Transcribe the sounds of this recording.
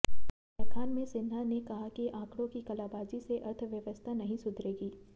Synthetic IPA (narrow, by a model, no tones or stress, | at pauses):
ɛːkʰaːnmẽsɪnɦanekɐɦakiʔãːkɽõkikɐlaːbaːd͡ʒiseʔɐɾt̪ʰʋjɐʋəst̪ʰanɐɦĩsʊd̪ʱɾeːɡiː